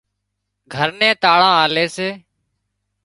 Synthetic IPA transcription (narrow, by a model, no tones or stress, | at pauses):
ɡʱəɾnẽːt̪aːɭãːaːleːseː